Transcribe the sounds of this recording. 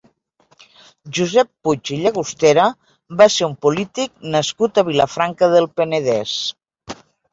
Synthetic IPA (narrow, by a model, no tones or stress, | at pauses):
ʒuzɛpːut͡ʃiʎəɣust̪eɾə | βaseumpulit̪ik̚nəskut̪əβ̞iləfɾaŋkəðəlˠpənəðɛs